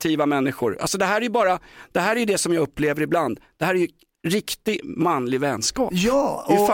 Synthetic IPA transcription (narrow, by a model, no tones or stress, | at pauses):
t̪ʰiːvamɛnːɪɧʊ̰ɾa̰lsɔd̪ɛɦæːɾæɾjɵbɑːɾad̪̥ɛɦæːɾæjɵd̪ɛsɔmjɑːɡɵpːleːvəɾɪbland̪d̪̥ɛhæːɾæɾjɵ | ɾɪkt̪ɪmanːlɪɡvɛnskɑ̰ːpjɪf